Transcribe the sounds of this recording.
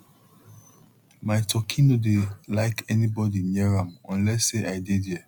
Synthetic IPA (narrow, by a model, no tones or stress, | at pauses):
maɪtʰɔkʰĩnodelaɪkɛnibɔdinɛɹãmɔ̃nlɛsːeʔaɪdidjɛ